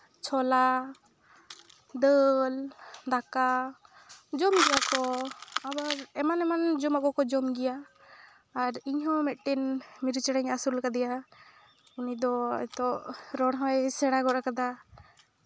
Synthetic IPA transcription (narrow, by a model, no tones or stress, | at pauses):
t͡ʃʰɔla | d̪əld̪aka | d͡ʒɔmɡɛjakɔabaɾɛmanɛmand͡ʒɔmakɔkɔd͡ʒɔmɡɛjaː | ɾiɲɦɔ̃mɛt̪̚ˀʈɛnmiɾt͡ʃɛɽɛɲasulkad̪ɛja | unid̪ɔɛ̰t̪ɔɾɔɽɦɔɛsɛɽ̃aɡɔɾakad̪a